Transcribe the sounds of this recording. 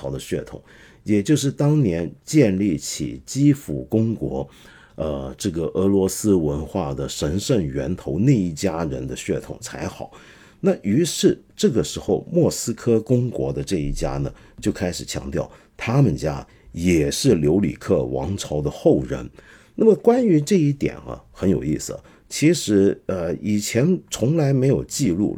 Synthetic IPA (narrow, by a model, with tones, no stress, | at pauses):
ɑ˧˥d̪ə˧ɕɥɛ˥˩t̪ʰʊ̰˨˩˦ŋ | jɛ˨˩t͡ɕjo˥˧ʊʂ̬ɻ̩˥˩t̪ɑ˥ŋnjɛ˧˥nt͡ɕjɛ˥˧nli˥˩t͡ɕʰḭ˨˩t͡ɕi˥fu˨˩kʊ˥ŋkwɔ˧˥ | ə˧ʈ͡ʂɤ˥˩ɡə˩ʔɤ˧˥lwɔ˧˥sɹ̩˥wə˧˥nxwa˥˩d̪ə˩ʂə˧˥nʂə˥˩nɥɛ̰˧˥nt̪ʰo˧˥ʊne˥˧ɪi˥˩t͡ɕja˥ɻə˧˥nd̪ə˧ɕɥɛ˥˩t̪ʰʊ̰˨˩ŋt͡sʰa̰˧˥ɪxɑ˨˩˦ʊ | na˥˩y˧˥ʂɻ̩˥˩ʈ͡ʂɤ˥˩ɡə˩ʂɻ̩˧˥xo˥˧ʊmwɔ˥˩sɹ̩˥kʰɤ˥kʊ˥ŋkwɔ̰˧˥d̪ə˧ʈ͡ʂɤ˥˧i˥˩t͡ɕja̰˥nə˨ | t͡ɕjo˥˩ʊkʰa˥ɪʂɻ̩˨˩t͡ɕʰjɑ̰˧˥ŋt̪jɑ˥˩ʊ | t̪ʰa˥mə˨nt͡ɕja˥ | jɛ˨˩ʂɻ̩˥˩ljo˧˥ʊlḭ˨˩kʰɤ˥˩wɑ̰˧˥ŋʈ͡ʂʰɑ˧˥ʊd̪ə˧xo˥˩ʊɻə̰˧˥n | na˥˩mə˩kwa˥ny˧˥ʈ͡ʂɤ˥˧i˥˩t̪jɛ̰˨˩nɐ̰˦xə˧˥njo˨˩ʊi˥˩sɹ̩˨˩ | t͡ɕʰi˧˥ʂɻ̩˧˥ə˧i˨˩t͡ɕʰjɛ˧˥nt͡sʰʊ˧˥ŋla˧˥ɪme˧˥ɪjo˨˩ʊt͡ɕi˥˧lṵ˥˩